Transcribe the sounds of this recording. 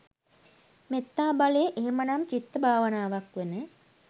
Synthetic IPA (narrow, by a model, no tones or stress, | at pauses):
met̪ːaːbalejeʔeɦemənamt͡ʃit̪ːəbʱaːʋənaːʋakʋenə